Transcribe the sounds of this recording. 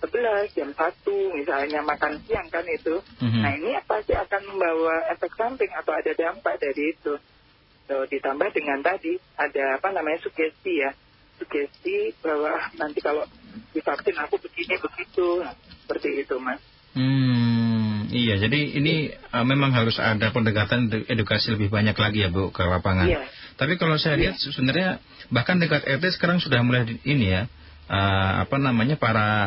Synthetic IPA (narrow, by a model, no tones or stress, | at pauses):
səbəlasd͡ʒamsat̪umisalɲamakansiaŋkanɡit̪um̩ɦnainiapasɪakanməmbawaɛfɛk̚sampɪŋat̪awadadampaʔdaɾiːt̪u | t̪odit̪ambahdəŋant̪adi | adaːpanamaɲasuɡɛst̪ija | suɡɛst̪ibawanant̪ikalod̥ifat̪ɪnakubəɡinibəɡit̪ussə̥pərt̪iːt̪umas | m̩ | ijad͡ʒadiḭniəmemaŋɦaɾʊsa̰dapəndəkat̪anʔedukasiləbɪhbaɲaklaɡijabukəlapaŋajnat̪apikalosajaɾiat̪̚səsəbənarɲa | bahkandəkat̪ɛrt̪̬esə̥kaɾaŋsudahmulainija | ʔəa̰panamaɲapaɾa